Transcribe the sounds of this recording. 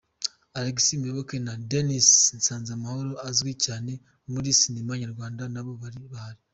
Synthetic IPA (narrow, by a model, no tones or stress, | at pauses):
aɾeɡisimjoβoke̞nadenisnsaːnzamaho̞ɾo̞azɡwecaːne̞ | muɾisinimaɲaɾɡwaːndanaβo̞βaɾiβahaɾi